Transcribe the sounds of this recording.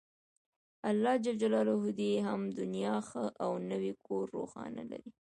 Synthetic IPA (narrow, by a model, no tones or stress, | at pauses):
alːɑd͡ʒald͡ʒalɑlaɦud̪eɦamd̪ʊnjɑxəʔawnəwekʰoɾːo̰xɑ̰na̰la̰ɾi